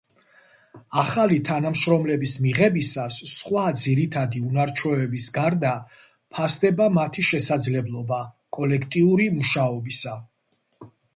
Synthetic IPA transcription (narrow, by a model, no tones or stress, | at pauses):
aχalit̪ʰanamʃɾɔmlɛbismiʁɛbisasːχwad̪ziɾit̪ʰad̪iunaɾt͡ʃʰwɔɛbisɡaɾd̪a | pʰasd̪ɛbamat̪ʰiʃɛsad̪zlɛblˠɔba | kʼɔlɛkʰt̪ʼiuɾimuʃaɔbisa